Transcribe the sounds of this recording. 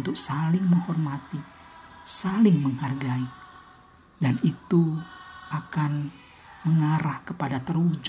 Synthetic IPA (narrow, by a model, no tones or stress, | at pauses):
nt̪ʊk̚salɪŋməŋhɔrmat̪i | salɪŋməŋharɡai | danit̪uakan | məŋaɾahkəpadat̪ərud͡ʒ